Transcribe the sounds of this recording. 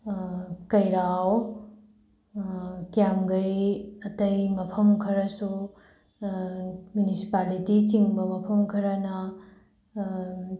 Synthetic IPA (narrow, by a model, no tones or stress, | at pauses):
kɐjɾaw | kjamɡɐjɐtɐjmɐpʰɐmkʰɐɾɐsu | mjunisi̥palitit͡ʃiŋbɐmɐpʰɐmkʰɐɾɐnɐ